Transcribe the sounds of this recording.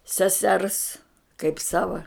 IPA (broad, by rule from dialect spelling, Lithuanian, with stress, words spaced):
sʲɛˈsʲɛrs kɐɪp ˈsɑːʋɐ